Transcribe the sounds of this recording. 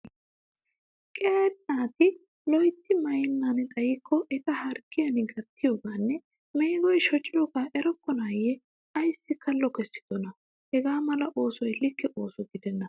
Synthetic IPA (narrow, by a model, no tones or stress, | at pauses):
kʼet̪ʼnaːt̪ɪ | lɔjt̪ːɪmɐjɛnːanɪt̪ʼɐjɪkʰːɔʔɛt̪ɐhɐɾkːɪjɐnɪɡɐt̪ːɪjoːɡaːnːɛ | mɛjɡɔjʃɔt͡ʃʼːɪlɔɡaːʔɛɾɔkːɔnaːjɛ | ɐjsːɪkɐlːɔkɛsːɪ̥t̪ɔnɐ | hɛɡaːmɐlɐʔo̞ːsɔjlɪkːɛʔo̞ːsɔɡɪd̪ɛnːɐ